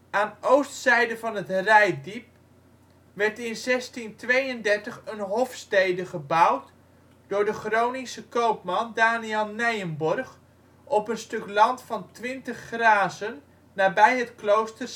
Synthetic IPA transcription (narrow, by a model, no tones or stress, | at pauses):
aːnowstsɛjdəvɑnɦətrɛjdip̚ | ʋɛrtɪnzɛstintʋejəndɛrtəχənɦɔfstejdəχəbawt | d̥ʊːɹdəχrownisəkowpmɑndaːniɛlˠnɛjənbɔrχ | ʔɔpənstɵklɑntfɑntʋɪntəχːraːzənː | aːbɛjətklowstər